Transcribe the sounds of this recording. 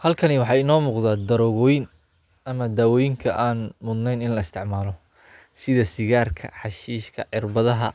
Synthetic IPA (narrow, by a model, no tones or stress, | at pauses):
hɐlkʰɐniwɑħɑjɪnɔːmuːqðaːd̪ɐɾɔɣɔːjɪn | ʔɐmɐd̪aːwɔːjɪŋkʰɐʔaːnmʊd̪nɛjnɪnlɐɪst̪ʰɪʕmaːlɔ | sɪðɐsɪɣaːrkʰɐ̰ħɑʃiːʃkʰɐ̰ʕɪrbɐðɐɦɐ̰